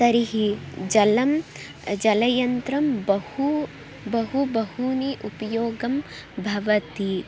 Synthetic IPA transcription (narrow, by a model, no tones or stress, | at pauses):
ɐɾiɦid͡ʒɐlɐm | d͡ʒɐlɐjɐnt̪ɾɐmbɐhu | bɐɦubɐhuniʔupɐjoːɡɐm | bʱɐʋɐt̪i